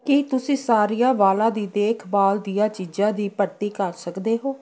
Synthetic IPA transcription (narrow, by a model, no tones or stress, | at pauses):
kit̪ʊsĩːsaːɾijãːʋaːlãːd̪iːd̪eːkʰbaːld̪ɪjãːt͡ʃiːd͡ʒãːd̪iːpəɾt̪iːkəɾsəkd̪eːɦoː